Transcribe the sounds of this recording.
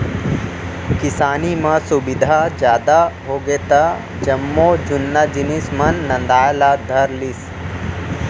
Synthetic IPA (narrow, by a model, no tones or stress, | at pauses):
kɪsaːnimɐ̃subɪd̪ʱad͡ʒjaːd̪aɦoːɡeːt̪a | d͡ʒɐmːoːd͡ʒʊnːad͡ʒinismɐnːɐ̃nd̪aːjlaːd̪ʱɐɾlis